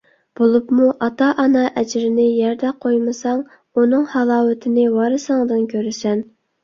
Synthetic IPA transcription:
b̥olˠupmuʔɑt̪ɑʔɑnɑʔɛd͡ʒɾɪnɪjɛɾd̪ɛqʰojmɨsɑŋ | unɨŋhɑlˠɑːwɪt̪ʰɪnɪwɑɾɨsɑŋd̪ɨnkʲʰøɾɪsɛn

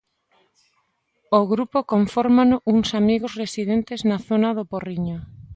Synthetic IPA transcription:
oɣɾupokoɱfoɾmanʊʔuŋsamiɣosresiðent̪eznaθonaðoporiɲo

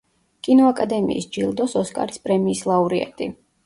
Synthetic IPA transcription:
kʼinɔakʼad̪ɛmḭːsd͡ʒilˠd̪ɔsɔskʼa̰ɾispʼɾɛmiːslˠauɾiɛ̰t̪ʼi

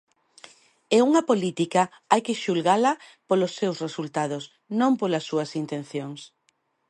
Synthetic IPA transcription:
euŋɐpolit̪ikɐ | ajkeʃulɣalɐpolosːewsresult̪að̞ʊs | nõmpolɐsːuɐsint̪en̟θjoŋs

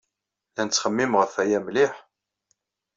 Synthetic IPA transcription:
lænət͡sːχəmːimʁəfæjæmlɪħ

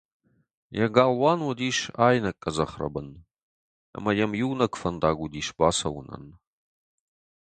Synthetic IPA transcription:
jɐɡaːlwaːnwɐd̪iːʃaːjnɐkʼːɐzɐχrɐ̰bɨn | a̰mɐjɐmjiwnɐkʷfɐnd̪aːɡʷʊd̪iːʃbaːsɐwʊnɐ̰n

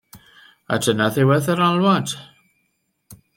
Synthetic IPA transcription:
a̰dənaðɪwɛðəɾalˠwad̥

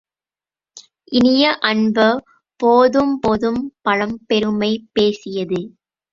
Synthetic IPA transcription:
ʔɪnɪjɐʔɐɳbɐ | poːðɯmpoːðɯmpɐɻɐmpɛɾɯmɐɪpeːsɪjɐðɯ

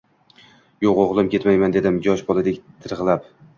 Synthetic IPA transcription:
joqoʁlˠɪmkʲe̞t̪majmand̪e̞d̪ɪmd͡ʒɒʃbɒlˠad̪ekʲt̪ʰɨɾʁlˠap

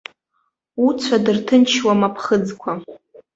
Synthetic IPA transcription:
ut͡sʷʰadɨrtʰɨnt͡ʃʰwamapʰχəd͡zkʷʰa

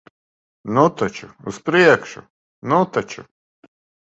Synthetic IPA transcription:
nut̪at͡ʃṵuspɾiɛkʃṵ | nut̪at͡ʃṵ

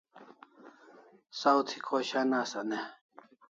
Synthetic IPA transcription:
sawt̪ʰi̥kʰoɕanasɐne

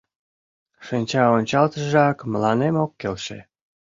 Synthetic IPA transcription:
ʃinʲt͡ɕɑonʲt͡ɕɑlt̪əʒɑkməlɑnemokːelʃḛ

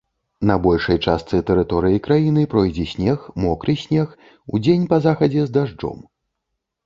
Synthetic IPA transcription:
nɐbɔlʲʂɐjt͡ʂast̪sɨt̪ɛɾɨt̪ɔɾɨjikɾajinɨpɾɔjd͡zʲɛsʲnʲɛxmɔkɾɨsʲnʲɛx | ṵd͡zʲenʲpɐzaxɐd͡zʲɛzd̪aʐd͡ʐɔ̰m

